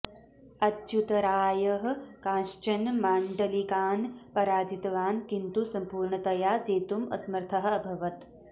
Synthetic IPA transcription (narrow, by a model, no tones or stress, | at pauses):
ɐt̪ɕjut̪ɐɾaːjɐɦɐ̆kãːʃt͡ʃɐnmaːɳɖɐlikaːnpɐɾaːd͡ʒit̪ɐʋaːnkint̪usɐmpuːɾɳɐt̪ɐjaːd͡ʒeːt̪umɐ̰smɐɾt̪ʰɐɦɐ̆ɐbʱɐʋɐt̪